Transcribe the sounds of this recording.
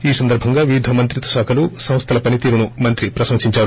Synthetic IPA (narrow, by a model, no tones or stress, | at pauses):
iːsɐnd̪ɐɾbʱɐŋɡaːʋiʋid̪ʱɐmɐnt̪ɾit̪ɐ̥ʃaːkʰɐlusɐ̃mst̪ʰɐlɐpɐnit̪iːɾunumɐnt̪ɾipɾɐsɐmsiɲt͡ʃaːɾu